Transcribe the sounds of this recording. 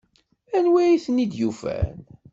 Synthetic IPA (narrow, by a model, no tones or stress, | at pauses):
ænwæjiθənid̪jufæ̰n